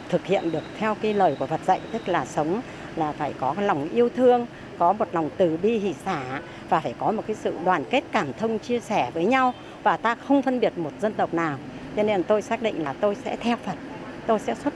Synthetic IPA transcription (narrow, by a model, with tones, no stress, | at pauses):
t̪ʰɨ˨˩k̚hḭ˧˨ənɗɨ˨˩ək̚t̪ʰɛ˧wkaː˨˦jləː˨˩jku˧˩əvə˨˩t̚zə̰˧˨jt̪ɨ˦˥k̚laː˨˩sə˨˦wŋ͡m | laː˨˩faː˧˩jkɔ˨˦˨la˨˩wŋ͡mʔi˧əwt̪ʰɨ˧əŋ | kɔ˨˦mo˨˩t̚la˨˩wŋ͡mt̪ɨ˨˩ɓi˧ɦḭ˧˩˨saː˧˩˧ | vaː˨˩faː˧˩jkɔ˨˦mo˨˩t̚kaː˨˦jsɨ̰˧˨ɗwaː˨˩nke˦˥t̚kaː˧˩mt̪ʰə˧wŋ͡mt͡ɕi˧əsɛ˧˩vəː˨˦jɲa˧w | vaː˨˩t̪aː˧xə˧wŋ͡mfə˧nɓi˨˩ət̚mo˨˩t̚zə˧nt̪ə˨˩wk͡p̚naː˨˩w | t͡ɕɔ˧ne˧nt̪o˧jsaː˦˥k̚ɗḭ̈˧˨ŋ̟laː˨˩t̪o˧jsɛ̰˧˥t̪ʰɛ˧wfə˨˩t̚ | t̪o˧jsɛ̰˧˥swə˦˥t̚